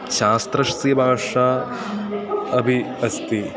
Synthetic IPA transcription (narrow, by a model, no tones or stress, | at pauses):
ʃaːst̪ɾɐʃɐsibʱaːʂaː | ɐbʱiɐst̪i